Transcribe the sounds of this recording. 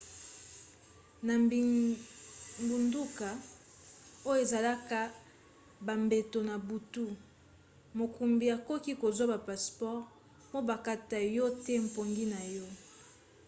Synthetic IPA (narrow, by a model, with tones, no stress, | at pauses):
na˨ | mbu˨ndu˦ka˨ | o˦jo˦e˨za˨la˦ka˨ | ba˨mbe˨to˨na˨bu˨tu˦ | mo˨ku˨mbi˨a˨ko˦ki˦ko˨zwa˦ba˨pa˨spɔ˦ʁ | po˦ba˨ka˦ta˨jɔ˦te˦m̩˨po˨ŋɡi˦na˨jɔ˦